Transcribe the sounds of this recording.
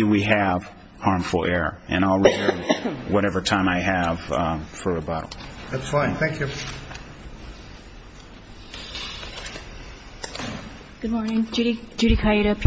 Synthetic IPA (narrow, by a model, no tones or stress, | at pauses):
wiɨv̥ | hɑɹɱfl̩ˠɛɹʔɨ̰̃ñaɪlˠɹɛðəwʌɾɛvə˞tʰãɪ̃maɪɨv̥fə˞ɨbɑɾl̩ˠðætsfãɪ̃nθæ̃ŋkjʉ | ɡ̥ʊd̚mɔɹnɪ̃ŋd͡ʒɾid͡ʒʉɾikʰaiɾəpʰ